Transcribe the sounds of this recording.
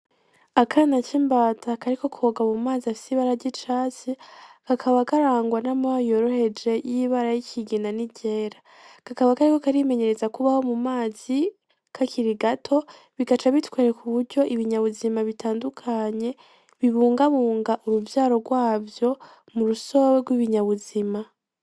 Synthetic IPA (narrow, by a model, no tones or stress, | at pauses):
akʰanat͡ʃiːmbaːtʰakaɾiko̞kuoɡamumaːziafi̥siβaɾaɾɟit͡ʃaːt͡sikakʰaβakaɾaːŋɡwanamajo̞ɾo̞he̞d͡ʒe̞jiβaɾajicʰiɡinaniɟe̞ːɾa | kakaβakaɾikokaɾime̞ɲe̞ɾe̞zakuβaho̞mumaːzi | kʰakʰiɾiɡatʰo̞ | βiɡat͡ʃaβitwaːɾekuβuɾɟo̞ʔiβiɲaβuzimaβitʰaːndukʰaɲe̞ | βiβuːŋɡaβuːŋɡaʔuɾuvjaːɾo̞ɡwaːvjo̞ | muɾuso̞weɡwiβiɲaβuzima